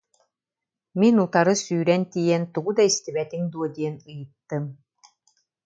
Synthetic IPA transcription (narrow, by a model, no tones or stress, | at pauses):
minut̪aɾɯsyːɾɛnt̪ijɛnt̪uɡud̪aist̪ibɛt̪iŋd̪uɔd̪iɛnɯjɯt̪ːɯm